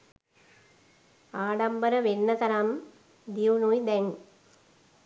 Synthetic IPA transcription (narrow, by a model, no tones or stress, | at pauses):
aːɖɐmbɐɾəʋenːɐt̪ɐɾɐm | d̪iʋunujd̪ɛŋ